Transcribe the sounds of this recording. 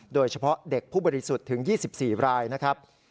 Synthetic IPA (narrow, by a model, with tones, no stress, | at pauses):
doː˧jt͡ɕʰa˧pʰɔ˦˥ʔde˨˩k̚pʰːuː˥˩bɔː˧ɾi˦˥su˨˩t̪ʰːɯ˩˦ŋjiː˥˩si˨˩p̚siː˨˩ɾaː˧jna˦˥kʰɾa˦˥p̚